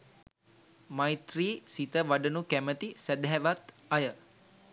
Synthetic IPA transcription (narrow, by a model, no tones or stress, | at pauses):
majt̪riːsit̪əʋaɖənukæmət̪isɛd̪ɦɛʋat̪ | ajə